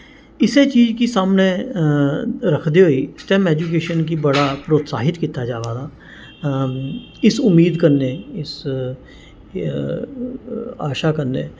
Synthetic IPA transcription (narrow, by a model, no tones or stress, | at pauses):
ɪset͡ʃiːd͡ʒkisaːmne | ɾɐkʰd̪eɦoːisʈɛːmɛːd͡ʒuk̬eːʃənkibɐɽapɾoːt̪sa̰ːɦɪt̪kiːt̪ad͡ʒaːʋaːd̪a | ɪsʊmːiːd̪kɐɾneɪs | aːʃakəɾnḛː